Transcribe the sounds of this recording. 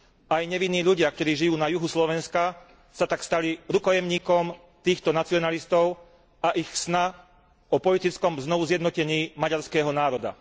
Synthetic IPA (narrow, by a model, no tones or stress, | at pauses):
ajɲɛʋinːiːʎuɟɪak̚t̪ɔɾiːʒijuːnajuɦuslɔʋɛnska | sat̪akst̪aliɾukɔjɛmɲiːkɔm | t̪iːxt̪ɔnat͡siɔnalist̪ɔʊ | aʔixsna | ɔpɔlit̪it͡skɔmznɔʋuzjɛd̪nɔcɛɲiːmaɟaɾskɛːɦɔnaːɾɔd̪a̰